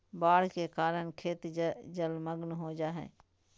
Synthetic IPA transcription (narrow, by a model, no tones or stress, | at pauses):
baːɽ̤kekaːɾəɳ̃kʰeːt̪d͡ʒəlməɡnɦoːd͡ʒaːɦɛ̰̃ː